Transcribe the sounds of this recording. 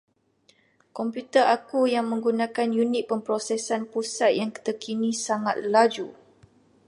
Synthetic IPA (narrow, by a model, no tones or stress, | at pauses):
kɔmpjut̪əʔakujaŋmə̃ŋɡunãkanjunik̚pəmpɾosɛsanpusat̪̚jaŋkə̥t̪əkʰinĩsaŋat̪̚lad͡ʒu